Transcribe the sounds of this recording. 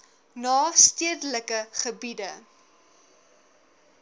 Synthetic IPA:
nɑːstiədələkəχəbidə

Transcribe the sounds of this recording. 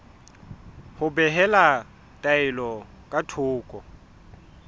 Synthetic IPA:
hʊbɛɦɛla | tʼaɪlɔ | kʼatʰʊːkʼɔ

